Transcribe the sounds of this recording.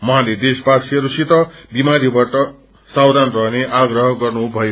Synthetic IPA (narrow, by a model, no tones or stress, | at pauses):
mʌɦãled̪espasʰɾusit̪ʌbimaɾibaʈʌ | sawd̪ʱanrʌɦneʔaɡrʌɦʌɡʌrnubʱʌjo